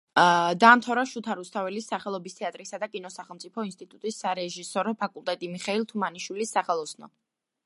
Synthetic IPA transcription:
d̪amt̪ʰɔɾaʃut̪ʰaɾust̪ʰavɛlisːaχɛlˠɔbist̪ʰɛat̪ʼɾisad̪akʼinɔsaχɛlˠmt̪sʼipʰɔinst̪ʼit̪ʼut̪ʼisːaɾɛʒisɔɾɔpʰakʼulˠt̪ʼɛt̪ʼimiχɛilˠt̪ʰumaniʃwilisːaχɛlˠɔsnɔ̰

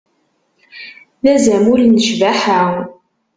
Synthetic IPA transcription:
ðæzæmʊlnəʃvæħaw

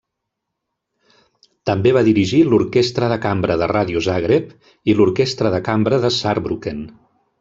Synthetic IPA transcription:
t̪əmbeβaðiɾiʒiluɾkest̪ɾəðəkambɾəðəraðiuzaɣɾep | iluɾkest̪ɾəðəkambɾəðəsaɾbɾuken

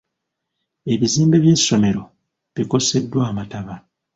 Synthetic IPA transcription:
e̞βiziːmbe̞βje̞sːo̞me̞ɾo̞ | βiko̞se̞dːwaːmataβa

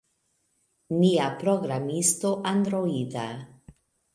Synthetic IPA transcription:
niapɾoɡɾamistoʔandɾoida̰

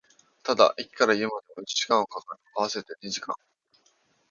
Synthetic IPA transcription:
t̪ad̪a̰ʔikʲi̥kaɾaiɯmad̪e̞moit͡ɕi̥ʑ̥i̥kãɰ̃o̞kakaɾ | aβ̞ase̞t̪e̞ɲiʑikã̰ŋ

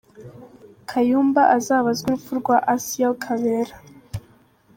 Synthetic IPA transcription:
kʰajuːmbaʔazaːβazɡuɾufuɾɡwaʔasiaokʰaβeɾa

